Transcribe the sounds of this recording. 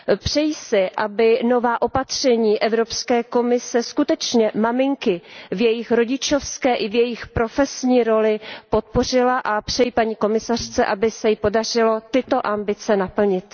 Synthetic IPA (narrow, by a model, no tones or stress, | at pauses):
pr̝̥ɛjisɪʔabɪno̞vaːʔo̞pat̪r̝̥ɛɲiːʔɛvɾo̞pskɛːko̞mɪsɛskut̪ɛt͡ʃɲɛmamɪŋkɪvjɛjɪxɾo̞ɟɪt͡ʃo̞fskɛːʔɪvjɛjɪxpɾo̞fɛsɲiːɾo̞lɪpo̞t̪̚por̝ɪlaʔapr̝̥ɛjipaɲiːko̞mɪsar̝̥t͡sɛʔabɪsɛjɪpo̞dar̝ɪlo̞t̪ɪt̪o̞ʔambɪt͡sɛnapl̩ɲɪt̪